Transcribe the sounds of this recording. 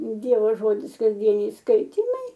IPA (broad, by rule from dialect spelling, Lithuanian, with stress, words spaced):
ˈdʲiɛʋoː ˈʒoːdʲɪs kɐzʲˈdʲiɛnʲɛɪ ˈskɐɪtʲiːmɐɪ